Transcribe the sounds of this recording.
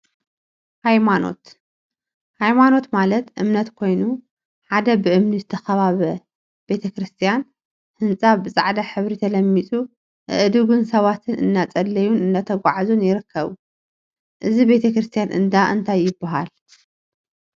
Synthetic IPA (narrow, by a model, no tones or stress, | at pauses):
hajmano̞̰t̪ | hajmano̞t̪malɐt̪ʔɨmnɐt̪kʰo̞jnu | ħad̪ɐbɨʔɨmnizɨt̪ʰɐxɐβaβɐ | be̞t̪ʰɐkɾɨst̪ʰijan | hɨnt͡sʼaβbɨsʼaʕd̪aħɨβɾit̪ʰɐlɐmːit͡sʼu | ʔɨ̰ʔɨd̪uɡunsɐβat̪ʰɨnʔɨ̰nːat͡sʼɐlːɐjunɨnːat̪ʰɐɡʷaʕazunjɪɾɨkʰːɐβu | ʔɨzibe̞t̪ʰɐkɾɨst̪ʰijanʔɨ̰nd̪aʔɨnt̪ʰajːɪbːaɦal